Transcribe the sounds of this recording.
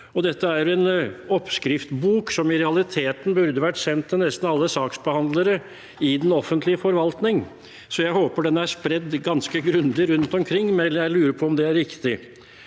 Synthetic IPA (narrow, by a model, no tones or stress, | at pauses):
ɔd̪ɛt̪ːəæɾjʊɛnɔpskɾɪft̪buːksɔmɪɾɛɑlɪt̪ʰeːt̪n̩bʉɾd̪əʋæʈːsɛnt̪ʰːɪlnɛst̪nɑlːəsɑːksbəhɑnd̪ləɾə | ɪd̪ɛnɔfːənt̪lɪəfɔɾʋɑlt̪nɪŋ | sɔjæɪhoːpəɖɛnæʂpɾɛd̪ɡɑnskəɡɾʉnd̪ɪɾʉnt̪ɔmkʰɾɪŋːmɛjæɪlʉːɾəpʰɔɔmd̪ɛæɾɾɪkt̪ɪ